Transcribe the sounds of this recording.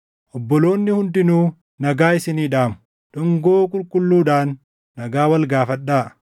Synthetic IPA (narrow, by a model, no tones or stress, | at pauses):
ʔɔbːɔlo̞ːnːɪhʊnd̪ɪnuː | nɐɡaːɪsɪniːᶑaːmʊ̥ | ᶑʊŋɡoːkʼʊlkʼʊlːuːᶑaːnː | ɐɡaːwɐlɡaːfɐᶑːaː